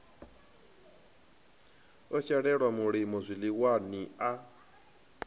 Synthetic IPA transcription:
ɔt͡ʃɛɺɛɺwamuɺimɔzʷiliwania

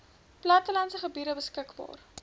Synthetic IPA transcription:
plɑtəlɐnsəχəbiːɾəbəskəkbɑ̰ːr

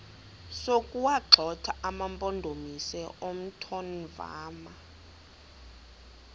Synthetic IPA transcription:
sokʼuwaǁʱɔtʰaamampʼɔndʱomisɛʔom̩tʰɔnva̰ːma

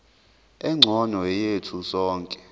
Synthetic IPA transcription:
ɛŋ͡ǀʱɔnɔɛjetʰusɔːŋkʼɛ̥

